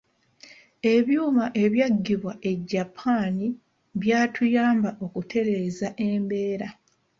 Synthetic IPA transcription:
e̞βjuːmaʔe̞βjaɡːiβwaʔe̞ɟːapʰaːni | βjaːtʰujaːmbaʔo̞kutʰe̞ɾe̞ːzaʔembe̞ːɾa

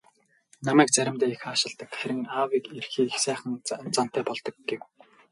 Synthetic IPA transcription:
namæːk̚t͡sæɾʲɪ̆mt̪æːixːʃɪ̆ɮt̪ə̆kxæɾʲɪ̆ŋawiːkerxiːxsæːχə̆nt͡san̥t̪ʰæːpɔɮt̪ɞ̆k̚ɡew

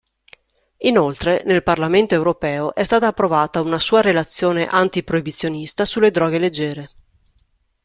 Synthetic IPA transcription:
inolt̪ɾenelparlament̪oewɾopɛːoʔɛst̪aːt̪aːpːɾovaːt̪aunasuːaɾelat̪sːjoːneʔant̪ipɾoibit̪sːjonist̪asulːed̪ɾɔːɡeled͡ʒːɛːɾe

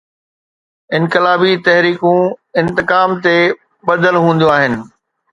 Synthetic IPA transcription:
ɪ̃nkɪlaːbit̪ɐɦɾiːkũɪ̃nt̪ɪkaːmt̪e | ɓɐd̪əlɦũːn̆d̪ijoaːɦɪnɪ̆

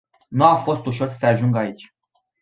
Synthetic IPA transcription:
nuafo̞st̪uʃo̞rsəaʒuŋɡait͡ʃʲ

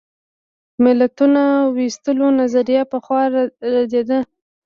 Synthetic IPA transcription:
mɪlat̪unawist̪əlonazaɾijapəxwɑɾad̪ed̪ə

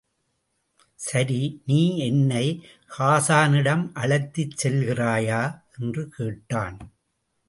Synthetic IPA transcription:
sɐɾiniːɛnːɐɪ | haːsaːnɪɽɐmʔɐɭɐɪt̪ːɪt͡ʃsɛlɣɪraːjaːʔɛndrɯkeːʈːa̰ːn

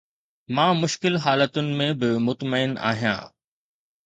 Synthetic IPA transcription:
mãːmʊʃkɪlɦaːlət̪ʊnɪ̆mẽbɪmʊt̪məɪna̰ːɦijã̰ː

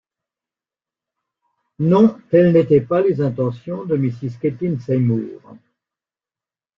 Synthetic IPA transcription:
nɔ̃t̪ɛlnɛt̪ɛpalezɛ̃t̪ɑ̃sjɔ̃d̪əmisisket̪insɛmṵːʁ

